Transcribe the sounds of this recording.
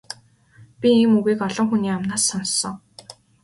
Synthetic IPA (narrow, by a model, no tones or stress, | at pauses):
pʲiiːmuɣiːkɔɮɞ̆ŋxuniːamnaːsːɔnsːɞ̆ŋ